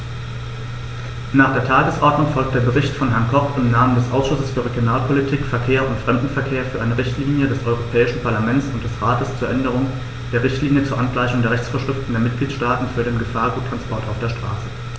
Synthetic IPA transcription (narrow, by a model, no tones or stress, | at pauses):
naːχd̥eːɐtʰaːɡəsʔɔɐdnʊŋfɔlk̚t̚d̥eːɐbəʁɪçtfɔnɦɛɐnkʰɔχɪmnaːməndɛsʔaʊsʃʊsəsfyːɐʁeɡjonaːlpʰolitʰiːkfɛɐkʰeːɐʊntfʁ̥ɛmdn̩fɛɐkʰeːɐfyːɐʔaɪnəʁɪçtliːnjədɛsʔɔʏʁopʰɛːɪʃn̩pʰaɐlamɛnt͡sʊnt̚d̥ɛsʁaːtəst͡suːɐʔɛndəʁ̞ʊŋ | d̥eːɐʁɪçtliːnjət͡suːɐʔanɡlaɪçʊŋdeːɐʁɛçt͡sfoːɐʃʁ̥ɪftn̩deːɐmɪt̚ɡ̥liːtʃtaːtn̩fyːɐɾeːnɡəfaːɐɡuːtʰːʁ̥anspʰɔɐtaʊfd̥eːɐʃtʁ̥a̰ːsə